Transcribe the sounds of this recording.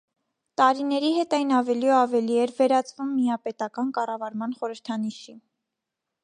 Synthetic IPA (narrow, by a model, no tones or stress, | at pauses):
t̪ɑɾinɛɾiɦɛt̪ɑjnɑvɛliɑvɛliɛɾvɛɾɑt͡svumːiɑpɛt̪ɑkɑnkɑrɑvɑɾmɑn̪χɔɾəɾt̪ʰɑniʃi